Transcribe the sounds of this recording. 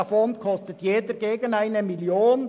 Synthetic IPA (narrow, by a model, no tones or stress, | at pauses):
fɔntkʰɔstətjeːdəɾɡeːɡənaɪnəmiljoːn